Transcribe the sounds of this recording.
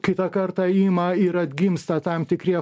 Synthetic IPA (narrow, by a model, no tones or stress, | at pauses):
kʲɪt̪ɐkɐɾt̪ɐiːmɐɪɾɐd̪ʲɡʲɪmst̪ɐt̪ɐmt̪ʲɪkɾʲiɛ